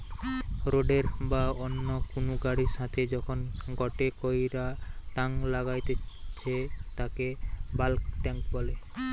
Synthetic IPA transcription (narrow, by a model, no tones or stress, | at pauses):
ɾoɖeɾbaonːokunuɡaɽiʃat̪ʰed͡ʑɔkʰonɡɔʈekojɾaʈaŋlaɡajt̪et͡ɕʰet̪akebalkʈɛŋkbɔle